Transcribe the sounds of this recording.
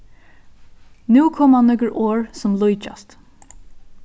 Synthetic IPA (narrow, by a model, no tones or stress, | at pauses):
nuːkʰɔmanːœkɹoːɹsʊmlʊjt͡ʃa̰st̪